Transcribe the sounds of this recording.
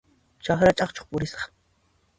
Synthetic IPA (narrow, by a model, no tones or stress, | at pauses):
t͡ʃaχɾat͡ʃʼɑχt͡ʃo̥χpʊɾɪsɑ̥χ